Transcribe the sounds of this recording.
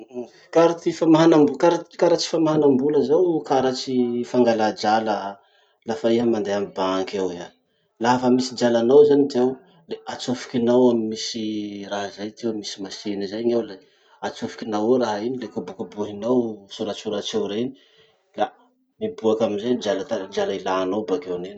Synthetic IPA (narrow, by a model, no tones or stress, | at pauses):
kaɾut̪ifamaɦanambukaɾat͡ʃkaɾat͡ʃi̥famaɦanambuləzawkaɾat͡ʃifaŋɡalad͡ʒalə | lafaiɦəmand̪eamibaŋkaweɦa | lafəmisid͡ʒalanawzanit̪aw | leʔat͡sufi̥kinawamimisiraɦzajt̪ewmisi̥masinizajɲawle | at͡sufi̥kinaweɾaɦinilekabukabuɦinawsuɾat͡suɾat͡ʃewɾeni̥ | la | mibuakaminzad͡ʒalat̪aɾad͡ʒalailanowbakewnen